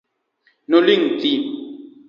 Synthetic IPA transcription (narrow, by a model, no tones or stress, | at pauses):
noliŋ̩ti